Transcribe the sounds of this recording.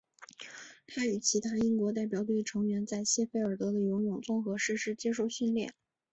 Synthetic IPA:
t̪ʰa˥y˨˩t͡ɕʰi˧˥t̪ʰa˥i˥nkwɔ˧˥t̪̬a˥˩ɪp̬jɑ˨˩ʊt̪we˥˩ɪʈ͡ʂʰɤ˧˥ŋɥɛ˧˥nt͡sa˥˧ɪɕjɛ˥˧fe˥ɪə˞˨˩t̪ɤ˧˥d̪ə˧jo˧˥ŋjʊ˨˩ŋt͡sʊ˥˧ŋxɤ˧˥ʂɻ̩˥˧ʂɻ̩˥t͡ɕjɛ˥ʂ̬o˥˧ʊɕy˥˧nljɛ˥˩n

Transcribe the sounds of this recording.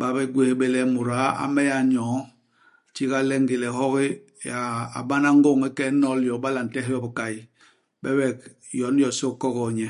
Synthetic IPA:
ba˨bɛ˦ɡwe˦hbe˦lɛ˦mu˨ɾa˨˦a̰˦mɛ˦ja˨ɲɔː˨˦˨ | t͡ʃi˦ka˦lɛ˦ŋɡe˨lɛ˨hɔ˦ki˦ | ja˨a̰˨ba˦na˦ŋ˦ɡo˦˨ŋi˦kɛ˦nɔ˦ljɔ˨ba˦la˨n̩˨tɛ˦hjɔ˦bi˨ka˨i˨ | bɛ˦wɛ˨k̚ | jɔ˨˦njɔ˨so˦kɔ˦kɔ˨ɲɛ˨

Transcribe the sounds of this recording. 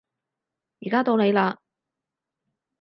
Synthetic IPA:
jiː˨˩kaː˥t̪o˧wne˨˧jlaː˧

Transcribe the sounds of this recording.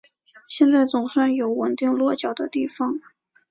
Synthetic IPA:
ɕjɛ˥˧nt͡sa˥˩ɪt͡sʊ˨˩ŋswa˥˩njo˧˥ʊwə˨˩nt̪i˥˧ŋlwɔ˥˩t͡ɕjɑ˨˩ʊd̪ə˦t̪i˥˩fɑ˧˩ŋ

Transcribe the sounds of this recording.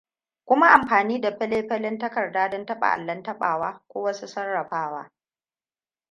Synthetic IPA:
kʷʊ˦ma˦ʔa˨mɸaː˨niː˦da˨ɸɪ˦leː˦ɸɐ˦lɪ˦ntɐ˦kɐ˨rdaː˦dɔ˦ntɐ˦ɓa̰˨ʔa̰˨lːɐ˦ntɐ˦ɓa̰ː˨waː˦kʷoː˦wɐ˦su˦sɐ˦rːɐ˨ɸaː˦waː˦

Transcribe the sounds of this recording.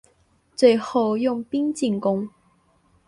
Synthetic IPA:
t͡swe˥˧ɪxo˥˧ʊjʊ˥˨ŋpi˥ŋt͡ɕi˥˩ŋkʊ˥ŋ

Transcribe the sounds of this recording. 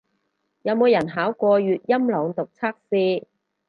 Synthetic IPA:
jɐ˨˧wmo˨˧wjɐ˨˩nɦaː˨˥wkʷɔː˧jyː˨t̚jɐ˥mlɔː˨˧ŋt̪ʊ˨k̚t͡sʰaː˥k̚siː˧

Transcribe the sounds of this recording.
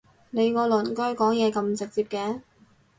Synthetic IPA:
ne˨˧jkɔː˧lɵ˨˩nkœː˥jkɔː˨˥ŋjɛː˨˧kɐ˧mt͡sɪ˨k̚t͡siː˧p̚kɛː˧˥

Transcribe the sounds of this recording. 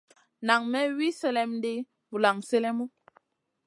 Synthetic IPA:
na˨ŋmɛ˦wi˦sɛ˦lɛ˨m˦de˦ | mu˨la˨ŋsɛ˦lɛ˦mu˦

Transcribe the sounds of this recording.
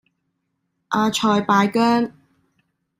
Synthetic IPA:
ʔaː˧t͡ʃʰɔː˨jpaː˧jkœː˥ŋ

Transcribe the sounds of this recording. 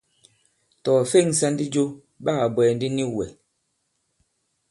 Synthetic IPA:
tɔː˨fe˦˨ŋ˨sa˦ndi˦d͡ʒo˦ | baː˦˨bwɛː˨n˦di˦ni˦wɛ˨

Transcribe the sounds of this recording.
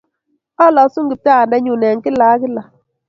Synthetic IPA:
a˦lɔ˨˦su˦ŋɡɪ˨p̚ta˦a˨ndɛ˦ɲu˨nɛ˨ŋki˦la˨˦kɪ˦la˨

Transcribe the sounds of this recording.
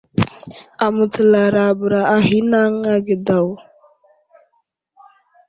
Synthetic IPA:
a˨mu˨t͡sə˨la˨ɾa˨bə˨ɾa˨a˨hi˦na˦ŋa˦ɡə˨da˨w

